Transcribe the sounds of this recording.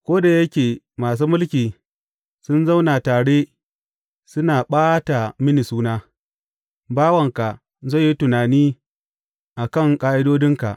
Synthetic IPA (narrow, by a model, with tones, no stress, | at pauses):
kʷoː˦da˨jɐ˦kʲeː˨ | maː˨s̬uː˦mʊ˦lkʲiː˨ | sʊ˦nza˦wna˨taː˨ɽe˦ | sʊ˦naː˨ɓaː˦ta˨mɪ˦ni˨suː˦naː˦ | baː˦wɐ˨ŋka˨ | zo˦˨jːi˦tʊ˨naː˨niː˦ | ʔa˨kɐ˦˨ŋkʼaː˦ʔɪ˦doː˦dɪ˦ŋka̰˨ʔ